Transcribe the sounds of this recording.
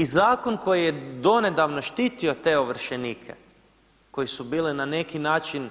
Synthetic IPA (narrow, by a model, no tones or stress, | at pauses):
izaːko̞nko̞jijed̪o̞ne̞d̪aʋnoʃt̪iːt̪iot̪e̞oʋr̩ʃeniːkʰḛ | ko̞jisubiːlinane̞kinaːt͡ʃin